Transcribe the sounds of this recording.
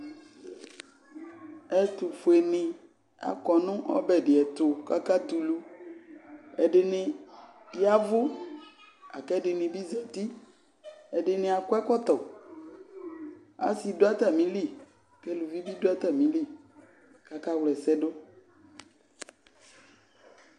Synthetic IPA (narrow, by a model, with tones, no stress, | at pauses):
ɛ˦t̪u˨fo˨e˨nẽ˨ | a̰˨kɔ˨nũ˦ʔɔ̰˦bɛ˨ɖe˨ɛ˨t̪o˨ka˦ka˦t̪u˨lu˦ | ɛ˨ɖe˨nẽ˨ | ja˦vo˦ | a̰˨kɛ˦ɖe˨nẽ˨bi˦za˨t̪i˦ | ɛ˨ɖe˨nẽ˨a˨kɔ˦ɛ˦kɔ˦t̪ɔ˨ | a̰˦si˨do˦a˦t̪a˨mĩ˦li˦˨ | ke˦lu˨vi˦bi˦do˦a˦t̪a˨mĩ˨li˦˨ | ka˦ka˦wlɛ˨sɛ˦ɖo˦